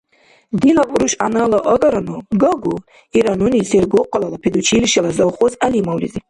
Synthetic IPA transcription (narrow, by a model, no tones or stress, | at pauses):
d̪ilauɾuʃa̰nələʔəɡaɾanuɡəɡu | iɾanuniseɾɡoqəlalapʰed̪ut͡ʃʰiliʃalazawχozalimawlḭzi